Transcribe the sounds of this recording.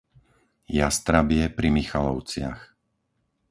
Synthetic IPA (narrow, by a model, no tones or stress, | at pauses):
jast̪ɾabɪɛpɾimixalɔʊt͡sɪa̰x